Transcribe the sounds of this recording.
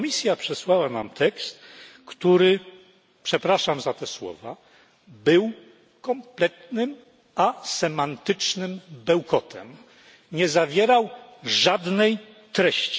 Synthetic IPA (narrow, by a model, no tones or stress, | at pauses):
mʲisʲjapʂɛswawana̰mt̪ɛkst̪kt̪uɾɘ | pʂɛpɾaʂamzat̪ɛswɔ̰va̰ | bɘw | kɔmplɛt̪nɘm | asɛmant̪ɘt͡ʂnɘmbɛwkɔt̪ʰɛ̰m | ɲɛzavʲjɛɾawʐad̪nɛj | t̪ɾɛɕt͡ɕi̥